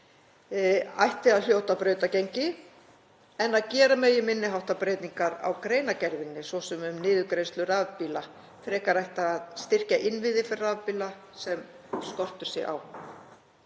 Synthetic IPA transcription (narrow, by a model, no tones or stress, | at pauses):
a̰jht̪ɪaðl̥joːwht̪apɾœːɥt̪acejɲcɪ | ɛnːaðcɛːɾamɛjɪmɪnːɪɦawht̪apɾeːjt̪niŋkaɾa̰wkɾeːjnacɛɾvɪnːɪsvɔsɛmʏmnɪːðʏkɾejst̪lʏraːvpiːla | fɾɛːkaɾajht̪aːðst̪ɪr̥caʔɪnvɪðɪfɪrːaːvpiːla | sɛm | skɔr̥t̪ʏ̥sjɛ̰a̰w